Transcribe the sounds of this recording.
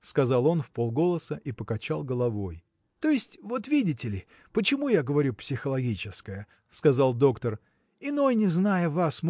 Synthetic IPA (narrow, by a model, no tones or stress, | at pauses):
skɐzɑlˠo̞nfpo̞lˠɡo̞lˠəsəʔipəkɐt͡ɕalˠɡəlˠɐvo̞j | t̪o̞jɪsʲtʲvo̞t̪vʲidʲɪtʲɪlʲɪ | pət͡ɕɪmujaɡəvɐɾʲupsʲɪxəlˠɐɡʲit͡ɕɪskəjə | skɐzɑlˠd̪o̞kt̪ər | ɪno̞jnʲɪznajəvasm